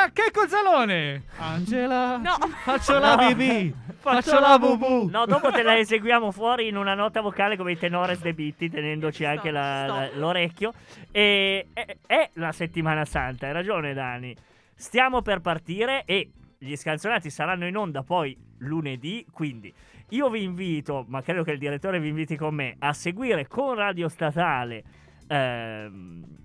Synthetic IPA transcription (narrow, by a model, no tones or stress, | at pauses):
akːekːod̪zaloːneand͡ʒelaɔfat͡ʃːolaibifaat͡ʃːolavubunɔd̪ɔːpoelaezeɡwjaːmofwɔːɾiːnunanɔt̪avokaːlekomeit̪enɔːɾesd̪ebit̪ːit̪enɛnd̪ot͡ʃiaŋk̟elaloɾɛkːjoeɛɛlaset̪ːimaːnasant̪aɾad͡ʒoːned̪anːi | st̪jaːmoperpart̪iːɾeʔeʎiskant̪sjonaːt̪̬isaɾanːoinond̪apɔjluned̪ikwind̪iiːoviːɱviːt̪omakːɾeːd̪ok̟eild̪iɾet̪ːoːɾeviːɱviːt̪ikomːeaseɡwiːɾekonraːd̪jost̪at̪aːle | m